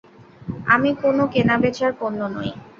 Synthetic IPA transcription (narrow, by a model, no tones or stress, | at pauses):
a̰mikonokenabet͡ɕaɾkonːono̰j